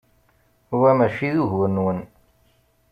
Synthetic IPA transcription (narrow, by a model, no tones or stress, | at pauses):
uwæmæʃiðuɦwənwən